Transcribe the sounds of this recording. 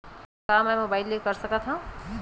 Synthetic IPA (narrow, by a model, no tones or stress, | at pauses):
kaːmɛmobailːekəɾsəkat̪ʰɦã